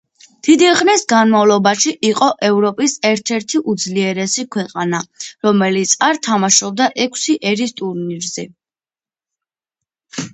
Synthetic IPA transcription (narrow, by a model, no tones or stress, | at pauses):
d̪̥id̪iχnisɡanmavlˠɔbaʃiʔiqʼɔʔɛvɾɔpʼisɛɾt̪ʰɛɾt̪ʰiʔud̪zliɛɾɛsikʰwɛqʼanaɾɔmɛlit̪sʰaɾt̪ʰamaʃɔb̚d̪aʔɛkʰsiʔɛɾist̪ʼuɾniɾzɛ